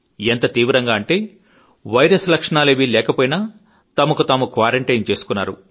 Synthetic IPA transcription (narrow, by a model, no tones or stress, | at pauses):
ent̪ɐt̪iːʋɾɐŋɡaːɐɳʈe̞ː | ʋɐjɾɐslɐkʂɐɳaːleːʋilɛːkɐpoːjinaː | t̪ɐmɐkut̪aːmukʋaːɾɐɳʈɐjnt͡ʃe̞ːsu̥kunːa̰ːɾṵ